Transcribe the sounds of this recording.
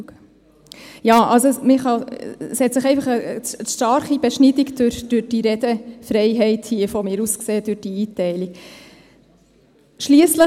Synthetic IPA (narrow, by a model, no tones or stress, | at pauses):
jɑːʔɑlsomɪχɑshɛt̪səχɛɪfɑχəəʃtɑɾχibɛʃnidikd̥øɾd̥ʉɾd̥iɾɛd̥̪əfɾɛɪɦɛɪthiəfɔmɪːɾuskseːd̥̪ʉɾd̥iiːtɛɪlik | ʃliəslə